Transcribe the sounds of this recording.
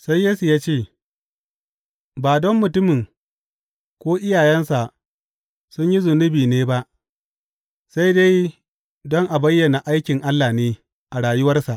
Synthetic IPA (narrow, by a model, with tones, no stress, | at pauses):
sa˦jːeː˦su˨jaː˦t͡ʃeː˦˨ | baː˨dɔ˦mːʊ˨tʊ˦mɪ˨ŋ | kʷoː˦ʔɪ˦jaː˨jɛ˦nsa˨ʔ | sʊ˦ɲji˦zʊ˨nʊ˦biː˨neː˦ba˦ʔ | sa˦jda˦j | dɔ˦ŋʔa˨bɐ˦jːɐ˨na˨ʔa˦jkʲɪ˨ŋʔa˦lːaː˨neː˦ | ʔa˨ɽaː˨jʊ˦wɐ˦rsa˨ʔ